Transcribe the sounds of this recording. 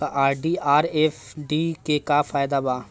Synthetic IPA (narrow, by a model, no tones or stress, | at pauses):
aʔaːɾɖiːaːɾeːfɖiːkekafaːjd̪abaː